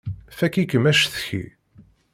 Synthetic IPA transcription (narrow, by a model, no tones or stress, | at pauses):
fækikːmæʃθçḭ